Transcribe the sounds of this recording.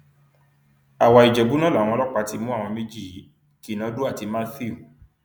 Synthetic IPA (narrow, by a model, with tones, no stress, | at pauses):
a˨wa˨i˨d͡ʒɛ˨bu˨˦nã˦la˨w̃ɔ̃˧˦lɔ˦k͡pa˧ti˧mũ˦a˦˨w̃ɔ̃˧mẽ˦d͡ʒi˦˨i˨˦ | ki˦˨nã˨˦du˦a˦˨ti˧mã˦θi˦u˨